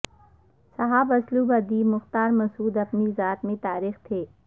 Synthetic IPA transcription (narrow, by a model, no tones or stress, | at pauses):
sɐɦaːbɐsluːbɐd̪iːmʊxt̪aːɾmɐsuːd̪ɐpnizaːt̪mẽt̪aːɾiːxt̪ʰeː